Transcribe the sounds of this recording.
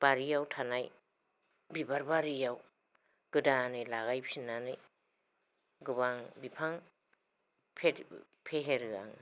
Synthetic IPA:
b̥aɾijawtʰanaj | bibaɾbaɾijaw | ɡ̥ɯdanɯjlaɣajpsinanɯj | ɡɯbaŋbipʰaŋ | pʰe | pʰeɦeɾɯa̰ŋ

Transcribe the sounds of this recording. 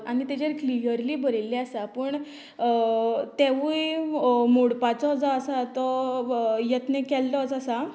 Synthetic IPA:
añit̪ed͡ʑeɾklijəɾliːbəɾelːeasapəːɳ | t̪eʋujmoɽpat͡sɔd͡zɔəsat̪ɔ | jət̪nekɛlt̪ɔət͡sasa

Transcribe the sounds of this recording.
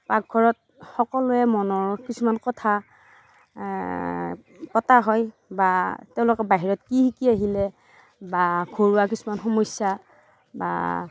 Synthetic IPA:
pak̚ɡʱɔɹɔt̚ | xɔkɔlʊɛmɔnɔɹkisumankɔtʰa | pɔtaɦɔj | batɛʊ̃lʊkɛbaɦiɹɔtkihikiaɦilɛ | baɡʱoɹuwakisumanxɔmɔsja | ba̰

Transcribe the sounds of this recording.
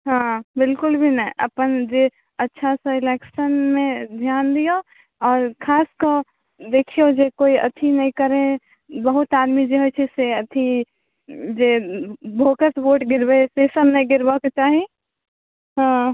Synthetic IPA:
ɦãːbɪlkʊlbʱinɐĩʔɐpənd͡ʒe | ɐtːʃʰasɐɪlɛːkʃənmẽd̪ʱjaːnd̪ijo | ɔːɾkʰaːskə | d̪eːkʰijod͡ʒekoːiɐ̰t̪ʰinɐĩkɐɾẽ | bɐɦʊt̪aːd̪mid͡ʒeɦot͡ʃʰeseɐt̪ʰi | d͡ʒeːbʱoːkəsboːʈɡɪɾbeesesəbnɐĩɡɪɾbakt͡ʃaːɦi | ɦãː

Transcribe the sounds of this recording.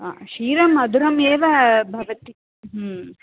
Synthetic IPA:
aːʃiːɾɐmɐd̪ʱuɾɐmeːʋɐbʱɐʋɐt̪i | ɦ

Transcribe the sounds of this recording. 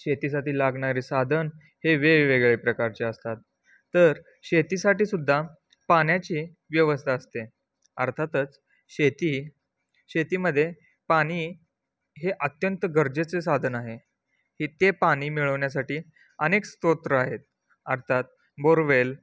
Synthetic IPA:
ɕet̪iːs̬aʈiːlaɡɳ̃aɾiːsad̪ʱən | heʋeʋeɡɭepɾəkaɾt͡ɕeəst̪at̪ː | əɾ | ɕet̪iːsaʈiːsud̪ʱːa | paɳjat͡ɕiː | ʋjəʋəst̪ʰaəst̪e | ə̰ɾt̪ʰat̪ət͡s | ɕet̪i | ɕet̪iːməd̪ʱːje | paɽ̃iː | ɦeʔət̪jənt̪əɡəɾd͡ʑet͡sesad̪ʱənaɦe | hit̪epaɽ̃iːmiɭəʋɳjasaʈiː | ənekst̪ot̪ɾəaɦet̪̚ | əɾt̪ʰat̪̚ | boɾʋel

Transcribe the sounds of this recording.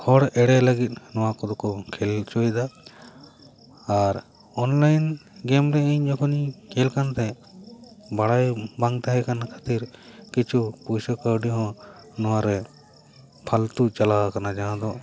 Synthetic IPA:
hɔɽɛɽɛləɡit̪̚nɔwakɔd̪ɔkɔkʰɛlt͡ʃɔjd̪a | ɾ | ɔnlajnɡɛmɾɛɛɲd͡ʒɔkʰɔnikʰɛlkant̪ɛ | baɽajbãŋɡt̪aɦɛkanakʰḁt̪iɾkit͡ʃʰupusɔkaɾɖiɦɔ̃nɔwaɾɛ | pʰalt̪ut͡ʃalakanad͡ʒaɦãd̪ɔ

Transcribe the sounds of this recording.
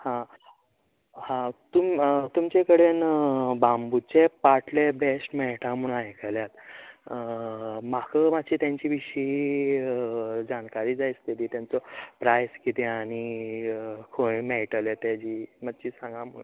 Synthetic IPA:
hã | hãt̪umt̪umt͡ɕekəɽenbambut͡ɕepaʈlebesʈmɛɭʈʰãmuɳ̃aɦekəljat̪ | makʰəmat͡ɕiːt̪jaɲt͡ɕiːʋiʂi | d͡ʑankaɾiːd͡zajst̪et̪iːt̪jant͡sɔpɾajskit̪eaɽ̃i | kʰomɛɭʈəlet̪ad͡ʑiːmad̪t͡ɕiːsãŋɡãmṵ

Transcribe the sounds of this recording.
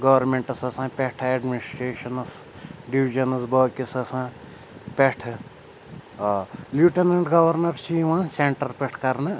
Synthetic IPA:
ɡɐʋɐɾmẽɳʈɐsɐsãːpʲeʈʰeɖminisʈɾeːʃɐnɐs | ɖiʋid͡ʒɐnɐsbɐːkisɐsãː | pʲeʈʰ | ljuʈenɐɳʈɡɐʋɐɾnɐɾt͡ʃiʋãːseɳʈɐɾpʲeʈʰkɐɾnɨ

